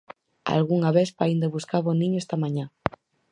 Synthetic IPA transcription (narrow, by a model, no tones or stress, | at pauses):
a̰lɣuŋɐβeθpaind̪oβuskaβonĩɲoest̪ɐmãɲa